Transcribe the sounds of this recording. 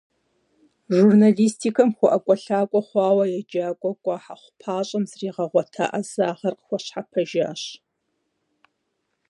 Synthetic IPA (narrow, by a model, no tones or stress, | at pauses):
ʒurnaliːstʰiːkʰɐmxʷʊʔɐkʷʼɔɬaːkʷʼɔχʷɑːwɐjɛd͡ʒaːkʷʼɔkʷʼɔħaχʷʊpʰaːɕʼɐmzriːʁɐʁʷɔtʰa̰ːʔɐzaːʁɐrqəxʷɔɕħapʰɐʒa̰ːɕ